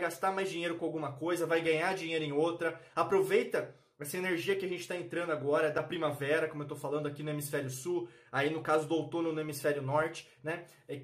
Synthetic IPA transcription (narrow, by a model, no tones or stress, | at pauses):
jɡast̪aɾmajzd͡ʒiɲejɾʊkõawɡũmɐkojzɐvajɡɐ̃ɲad͡ʒĩɲejɾʊẽj̃owt̪ɾɐapɾovejt̪ɐ | ɛsɐeneɾʒiɐkɪaʒẽnt͡ʃɪ̥t̪aẽnt̪ɾɐ̃nd̪ʊaɡɔɾɐd̪ɐpɾimavɛɾɐkõmʊewt̪owfalɐ̃nd̪ʊakinʊemisfɛɾjʊsu | ainʊkazʊd̪ʊawt̪õnʊnʊemisfɛɾjʊnɔɾt͡ʃɪ̥ | nɛ | ɛ